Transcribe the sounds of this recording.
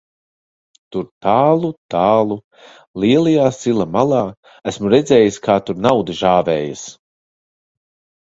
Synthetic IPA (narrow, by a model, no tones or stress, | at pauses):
t̪uɾt̪aːlˠut̪aːlˠu | lˠiɛlˠijaːsilˠamalˠaː | æsmuɾɛd̪zɛːjiskʰaːt̪uɾnawd̪ɨʒaːvɛːjas